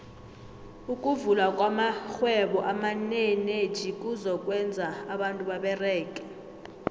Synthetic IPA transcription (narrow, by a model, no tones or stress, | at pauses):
ukʼuvulakʼwamaxwɛɓɔʔamanened̥ʒ̥ʱik̬ʼuzɔkʼwɛnd͡zʱaːɓantʼuɓaɓɛrɛːkʼɛ